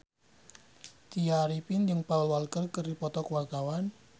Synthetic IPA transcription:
t̪iaɾipind͡ʒəŋpaulwalkərkərdipɔt̪ɔkuwart̪awan

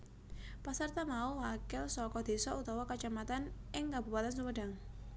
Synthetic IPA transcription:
pasərt̪amauwakɪlsɔkɔd̪̥e̤sɔut̪ɔwɔkət͡ʃamat̪anʔɪŋkabupat̪ansuməɖ̥aŋ

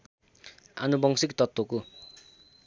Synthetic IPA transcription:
ʔa̰nubɔŋsɪkt̪ɔt̪oku

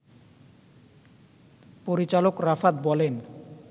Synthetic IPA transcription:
poɾit͡ɕalokɾafad̪̚bɔlen

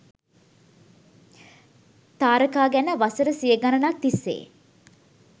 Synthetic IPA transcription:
t̪aːɾəkaːɡænəʋasəɾəsijəɡanənak̚t̪isːḛː

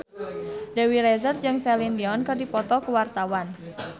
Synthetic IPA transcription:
dɛwiɾɛzərd͡ʒɨŋsɛlindiɔnkɨrdipɔt̪ɔkuwart̪awan

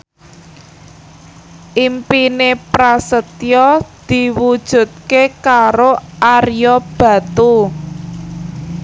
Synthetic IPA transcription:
ʔimpinepɾasət̪jɔd̪̥i̤wud̥ʒ̥ṳt̪̚kekaɾoʔarjɔb̥ä̤t̪u

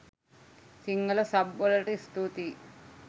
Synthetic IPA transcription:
siŋɡɐlɐsɐbːolɐʈist̪ut̪i

